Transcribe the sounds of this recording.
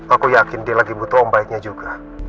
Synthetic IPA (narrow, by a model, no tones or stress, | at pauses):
akujakɪndialaɡibut̪ɔɔŋbaɪk̚ɲad͡ʒuɡa